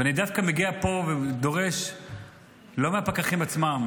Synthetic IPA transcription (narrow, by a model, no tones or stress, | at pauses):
veanidafkameɡiapo̞ved̪o̞ʁe̞ʃ | lo̞meapakaχimat͡sma